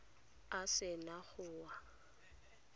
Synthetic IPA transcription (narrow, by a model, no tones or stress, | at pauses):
asɪnaɣʊːwa